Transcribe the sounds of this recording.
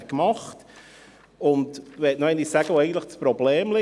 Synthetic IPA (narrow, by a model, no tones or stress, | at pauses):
kmɑχt | ʊndʋɛtnɔɛnisæɡ̥əʋoɛɪɡən̩tləχdspɾɔbleːmlɪ